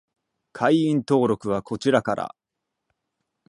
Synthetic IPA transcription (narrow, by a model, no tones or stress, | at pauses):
kʰaiĩnt̪o̞ːɾo̞kɯ̟β̞ako̞t͡ɕiɾakaɾa̰